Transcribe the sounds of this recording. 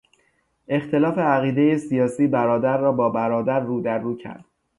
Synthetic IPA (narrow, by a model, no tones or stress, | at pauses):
ʔe̞xt̪ʰe̞lɒːfe̞æɣiːd̪eje̞sijɒːsiːbæɾɒːd̪æɾːɒːbɒːbæɾɒːd̪æɾːuːd̪æɾːuːcʰæ̰ɾd̪̥